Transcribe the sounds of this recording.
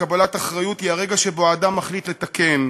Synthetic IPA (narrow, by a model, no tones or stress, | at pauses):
abalataχʁajut̪hiaʁe̞ɡaʃe̞bo̞aːdamːaχlit̪le̞t̪ake̞n